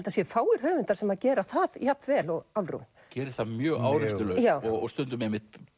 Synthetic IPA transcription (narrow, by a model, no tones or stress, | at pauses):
lt̪asjɛfaːwɪɾ̥ɦœːvʏnt̪ḁɾsɛmaðcɛːɾaθaðjap̪vɛːlɔɣalrṵn | cɛːɾɪ̥θaðmjœːɣa̰ːwɾɪst̪ʏlœjaːwɔɣɔ̰st̪ʏnt̪ʏmemɪht̪